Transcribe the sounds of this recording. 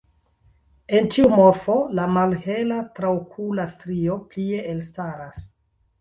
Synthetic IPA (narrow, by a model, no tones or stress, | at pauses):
e̞ntiumo̞ɾfo̞lamalhe̞latɾaokʰulastɾio̞plie̞ʔelstaɾas